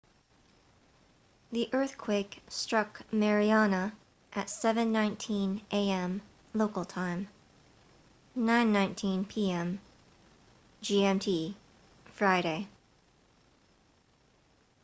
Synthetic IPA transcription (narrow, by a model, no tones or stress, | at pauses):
ðiʔɜ˞θkʰw̥eɪkstɹ̥ʌkmɛɹiɑnə | ʔɨtsɛvɨ̃nːãɪ̃ntʰĩnʔeɪɛ̃m | loʊkl̩ˠtʰãɪ̃m | nãɪ̃nːãɪ̃ntʰĩnpʰiɛ̃m | d͡ʒiɛ̃mtʰi | fɹaɪɾeɪ